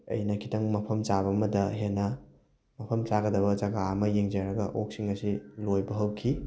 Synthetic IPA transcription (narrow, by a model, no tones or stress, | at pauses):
ɐ̰jnɐkʰi̥tɐŋmɐpʰɐmt͡ʃabɐɐmɐdɐɦenːɐ | mɐpʰɐmt͡ʃaɡɐdɐβɐd͡ʒɐɡaɐmɐjeŋzɐɾɐɡɐʔok̚siŋɐsilojbɐɦɐwkʰi